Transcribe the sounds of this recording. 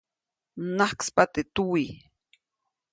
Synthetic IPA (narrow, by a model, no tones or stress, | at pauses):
nahkspat̪et̪uwi